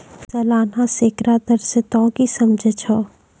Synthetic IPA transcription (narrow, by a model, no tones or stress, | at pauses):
sɐlaːnaseːkɾad̪ɐɾsɪt̪õkisɐmd͡ʒʱət͡ʃʰɔː